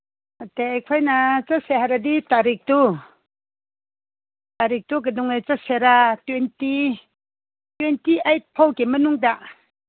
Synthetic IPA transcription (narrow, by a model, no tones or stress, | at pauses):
ateajkʰajnat͡ʃaseɦaɾaditaɾik̚tu | taɾik̚tuɡadɔŋajt͡saseɾatwenti | twentiajt̚pʰawkemɐnuŋda